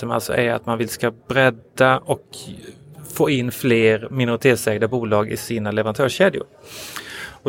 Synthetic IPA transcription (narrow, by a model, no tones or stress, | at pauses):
ma̰lsɔ̰ʔæɾa̰t̪manvɪlskabɾɛd̪aɔk | foːɪnːfleːɾmɪnʊɾɪt̪ʰeːt̪sɛːɡd̪abuːlɑːɡɪ̰siːnalɛvəɾant̪ʰœːʂeːd̪jʊ̰ɾ | ɔ